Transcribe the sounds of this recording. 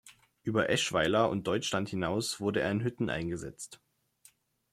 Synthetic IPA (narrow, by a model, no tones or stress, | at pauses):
ʔyːbɐʔɛʃv̥aɪlɐʊ̰nt̚d̥ɔʏt͡ʃlanthɪnaʊsv̥ʊɐdəḛːɐɪnɦʏtn̩ʔa̰ɪnɡəzɛ̰t͡st